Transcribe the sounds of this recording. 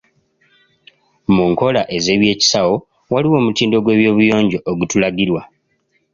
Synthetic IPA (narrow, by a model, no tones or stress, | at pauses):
muŋko̞laʔe̞ze̞ːβje̞ːci̥sawo̞ | waliwo̞ːmutiːndo̞ɡwe̞ːβjo̞ːβujo̞ːɲɟo̞ʔoɡutulaɡiɾwa